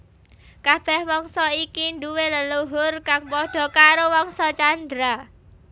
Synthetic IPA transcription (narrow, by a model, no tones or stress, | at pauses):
kab̥ɛhwɔŋsɔikinduweləluɦʊrkaŋpɔɖ̥ɔ̤kaɾowɔŋsɔt͡ʃand̪ɾa